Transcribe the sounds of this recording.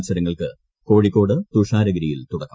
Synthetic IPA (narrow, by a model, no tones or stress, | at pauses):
sɐɾɐŋːɐɭkɨ | ko̞ːɻikːo̞ːɽɨt̪uːʂaːɾɐɡɐɾijilt̪uɽɐkːɐ̥m